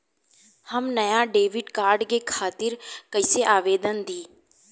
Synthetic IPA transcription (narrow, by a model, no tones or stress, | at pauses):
həmnɐjaɖeːʋɪɖkaːɾɖkekʰaːt̪ɪɾkəɪseʔaːʋeːd̪ənd̪ʱiː